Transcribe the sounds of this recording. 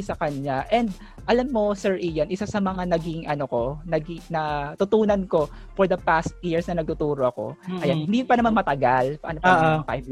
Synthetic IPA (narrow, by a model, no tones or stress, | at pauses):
sɐkɐɲaʔɛnd̪ | ʔɐlamːo̞sɛɹʔiːjɐnʔɪsasɐmɐŋanɐɡɪŋʔɐnoko̞nɐɡinɐt̪ʊt̪uːnɐnko̞ | fɔɹd̪ɐpast̪̚jiɹsnɐnɐɡ̚t̪ʊt̪uːɾoʔɐko̞̰ɐjanhhɪnd̪ipɐnɐmanmɐt̪ɐɡalpɐʔɐ̰nopːŋfa̰jv